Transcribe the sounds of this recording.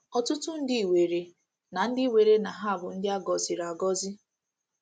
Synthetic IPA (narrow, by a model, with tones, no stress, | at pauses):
ɔ˨tʊ˦tʊ˦n̩˦dɪ˦˨we˨ɾe˨ | na˨n̩˦dɪ˦we˨ɾe˦na˨ɦa˦˨bʊ˨n̩˦dɪ˦a˦ɡɔ˨zɪ˨ɾa˨ɡɔ˦zɪ˦